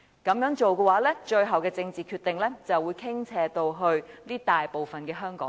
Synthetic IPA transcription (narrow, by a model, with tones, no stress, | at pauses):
kɐ˨˧mjœː˨˥ŋt͡ʃo˨wkɛ˧waː˨˥lɛː˥t͡ʃɵ˧ɥɦɐ˨wkɛː˧t͡sɪ˧ŋt͡siː˨˩kʰyː˧t̪ɪ˨ŋlɛː˥t͡sɐ˨wːuː˨˧˥jkʰɪ˥ŋt͡sʰɛː˧t̪o˧wɦɵ˧ɥniː˥t̪aː˨jpo˨wfɐ˨nkɛː˧ɦœː˥ŋkɔ̰ː˨˦